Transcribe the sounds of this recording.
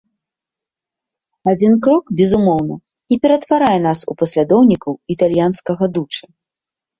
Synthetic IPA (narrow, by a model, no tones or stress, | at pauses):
ad͡zʲinkɾɔkbʲɛzumɔwnɐ̰ | ipʲɛɾɐt̪vaɾajɛnasupɐsʲlʲad̪ɔwnʲikɐwit̪alʲjanskɐɣɐd̪ut͡ʂɨ